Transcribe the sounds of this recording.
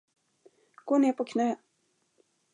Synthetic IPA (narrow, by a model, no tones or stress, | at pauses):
ɡ̥oːneːɾpʰɔkʰnœː